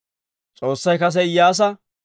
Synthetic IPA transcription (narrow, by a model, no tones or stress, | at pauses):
t͡sʼo̞ːsːɐjkɐs̬ɛɪjaːs̬ɐ